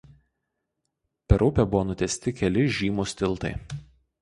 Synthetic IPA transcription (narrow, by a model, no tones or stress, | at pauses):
pʲɛɾʊpʲɛbʊʋoːnʊt̪ʲɛsʲt̪ʲɪkʲɛlʲɪʒʲiːmuːsʲt̪ʲɪlˠˑt̪ɐɪ